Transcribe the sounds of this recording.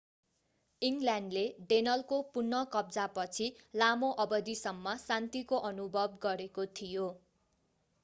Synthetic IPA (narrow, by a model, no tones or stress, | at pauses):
iŋɡlaɳɖleɖenʌlkopunːʌkʌb̚d͡zapʌt͡sʰilamoʔʌbʌd̪isʌmːʌsant̪ikoʔʌnubʱʌbɡʌɾekot̪ʰijo